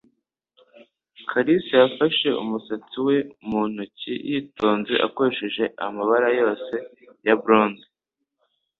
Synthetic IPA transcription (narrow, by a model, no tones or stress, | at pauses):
kʰaɾisejafaʃe̞ṵmusat͡siwe̞muːn̥ucijʔitoːnziʔa̰ko̞ɾeʃeʒe̞ʔamaβaɾajo̞ːse̞ | jabɾoːndi